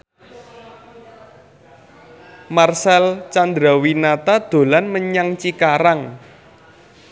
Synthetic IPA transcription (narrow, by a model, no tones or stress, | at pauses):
marsɛlt͡ʃand̪ɾawinat̪ad̪̥o̤lanməɲaŋt͡ʃikaɾaŋ